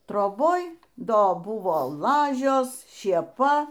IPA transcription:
troːˈboːj ˈdoː ˈbʊʋoː ˈlˠɑːʒʲoːs ʃʲeːˈpɐ

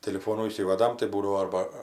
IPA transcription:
tʲɪlʲɪˈfoːnuː iːˈsʲiːʋɐdɐm tɐɪ ˈbuːdɐʋoː ˈɐrbɐ

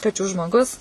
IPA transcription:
kɐˈt͡ʃʲuː ʒmoːˈɡʊs

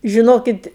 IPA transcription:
ʒʲɪˈnoːkʲɪt

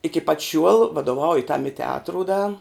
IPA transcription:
ɪkʲɪ pɐt ʃʲuɔlˠ ʋɐdoːˈʋɐʊjʊ tɐm ɪ tʲɛˈɑːtrʊ dɐ

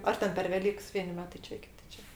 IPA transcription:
ˈɐr tʲɛn pʲɛr ʋʲɛˈlʲiːks ˈʋʲiɛnʲɪ ˈmʲæːtɐɪ ˈt͡ʃʲɛ ˈkʲɪtʲɪ ˈt͡ʃʲɛ

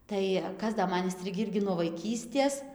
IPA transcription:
ˈtɐɪ ˈkɐs dɐ ˈmɐn ɪnʲˈsʲtʲrʲɪɡʲiː ˈɪrʲɡʲɪ nuɔ ʋɐɪˈkʲiːsʲtʲeːs

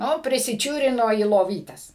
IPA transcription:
ˈnʊ pʲrʲɪsʲɪˈt͡ʃʲuːrʲɪnoː iː lˠoːˈʋʲiːtʲɛs

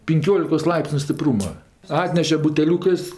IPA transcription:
pʲɪŋʲˈkʲoːlʲɪkoːs ˈlˠɐɪpʲsʲnʲʊ sʲtʲɪˈpruːmɐ ˈɑːtʲnʲɛʃʲɛ bʊtʲɛˈlʲuːkɜs

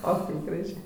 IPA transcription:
oː ˈkɐɪp ɡrɐˈʒʲeː

